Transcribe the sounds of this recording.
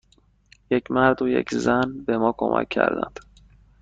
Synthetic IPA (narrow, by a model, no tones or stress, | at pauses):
jecʰmæɾd̪ojḛcʰzænbe̞mɒːkʰo̰mʔæ̰cʲʰːæ̰ɾd̪æ̰nd̪̥